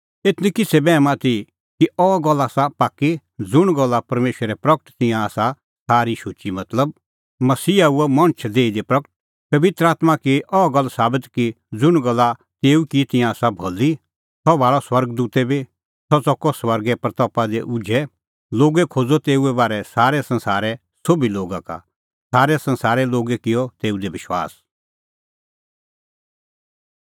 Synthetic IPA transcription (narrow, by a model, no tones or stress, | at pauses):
eːt̪nĩkɪsʰɛbɛːmãt̪i | kiɔɡɐlːasapaːkːi | d͡zʊɽ̃ɡɔlːapɐɾmeːʃəɾɛpɾɐkəʈt̪ɪjãːsa | saːɾiʃʊt͡ʃimɐt̪ləb̚ | mɐsiːauɛmɐ̃ɽ̃t͡ʃʰd̪eːid̪epɾɐkəʈ̚ | pɐʋɪt̪ɾəaːt̪makiʔɔɡɐlːsaːbɪt̪ki | d͡zʊɽ̃ɡɐlːa | t̪eːukit̪ɪ̃jãsabʱɔlːi | sɔbʱaːɭɔswɐɾɡd̪uːt̪ɛbi | sɔt͡sɔkɔswɐɾɡɛpɾɐt̪ɔːpad̪eʔʊd͡ʒʱɛ | loːɡɛkʰoːd͡zɔt̪eːuɛbaːɾɛsaːɾɛsɐ̃nsaːɾɛ | soːbiloːɡaka̰ | saːɾɛsɐ̃nsaːɾɛloːɡɛkɪjɔt̪eːud̪eʋɪʃwa̰ːs